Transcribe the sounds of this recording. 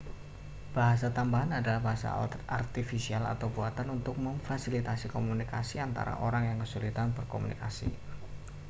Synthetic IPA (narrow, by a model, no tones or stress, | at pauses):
b̥aɦas̬at̪ambaɦanadalahbaɦasa̰art̪ifisiala̰t̪awbuat̪anunt̪ʊk̚məŋfasilit̪asikomunikasiant̪a̰ɾa̰ʔoɾaŋjaŋkəsulit̪anbərkomunḭkasḭ